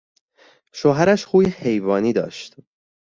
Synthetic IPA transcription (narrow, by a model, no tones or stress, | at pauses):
ʃoːɦæɾæʃxuːjehe̞jvɒːniːd̪ɒ̰ːʃt̪